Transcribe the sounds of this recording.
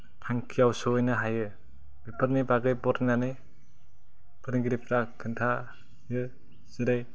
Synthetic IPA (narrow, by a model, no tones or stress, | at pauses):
tʰaŋkʰijawsojnɯɦajɯ | bepʰɯɾnibaɡɯjbɔɾnanɯj | pʰɯɾɡiɾipʰɾakʰɯntʰa | jɯ | z̥ɯɾɯj